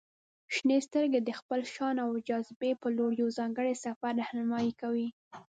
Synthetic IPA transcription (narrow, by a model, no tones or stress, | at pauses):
ʃnest̪əɾɡed̪əxpəlʃɑnawd͡ʒazbepəloɽjozɑŋɡəɽesafaɾːahnamɑjikawi